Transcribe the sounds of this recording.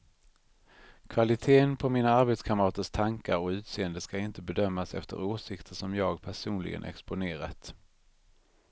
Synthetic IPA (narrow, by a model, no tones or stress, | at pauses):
kʰvalɪt̪ʰeːənpʰɔmiːnaaɾbeːt̪skʰaməɾɑːt̪əʂt̪ʰaŋkaɾɔʉ̟ːt̪seːənd̪əskaɪnt̪əbɛd̪œmːasɛ̰ft̪ə̰ɾoːʂɪkt̪ʰəʂɔmjɑːɡpʰæʂuːnlɪ̰ɡə̰nʔɛ̰kspʊneːɾat̪